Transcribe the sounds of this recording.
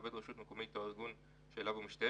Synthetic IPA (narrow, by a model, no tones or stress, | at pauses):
vedʁeʃut̪mekomejt̪oiʁɡun | ʃelavumiʃt̪a